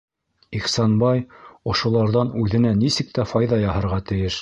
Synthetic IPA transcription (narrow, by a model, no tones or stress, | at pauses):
iχsɑnbɑjŏʃŏlˠɑɾðɑnʉðɘ̆nænisɘk̚t̪æfɑjðɑjɑhɤ̆ɾʁɑt̪ɘ̆jɘʃ